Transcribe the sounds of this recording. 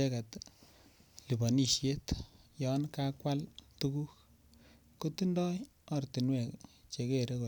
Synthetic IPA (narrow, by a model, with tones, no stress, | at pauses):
e˦ka˨t | li˨bɔ˨ni˨ʃje˦tjɔ˨nkakwa˦ltu˦ku˦k | ko˦ti˦ndɔ˦j | ɔ˨rti˨nwɛ˨kt͡ʃe˨ke˦ɾe˦ko˨